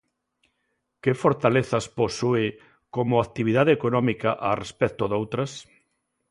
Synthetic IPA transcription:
kɪfoɾt̪aleθɐsposue | komʊak̚t̪iβ̞iðaðeeːkonɔmikaʔarespɛk̚t̪oðowt̪ɾɐs

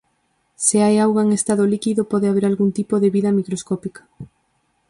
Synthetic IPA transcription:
seajawɣaeŋest̪að̞olikiðopɔðeaβ̞eɾalɣunt̪ipoðeβiðɐmikɾoskɔpikḁ

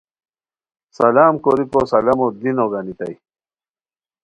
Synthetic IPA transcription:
sɐlaːmkoɾikosɐlɐmod̪inoɡanit̪ɐ̰j

